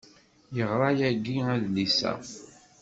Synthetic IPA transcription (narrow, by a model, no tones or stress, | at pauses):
jəʁɾˤɑjæɡiæðlisæ̰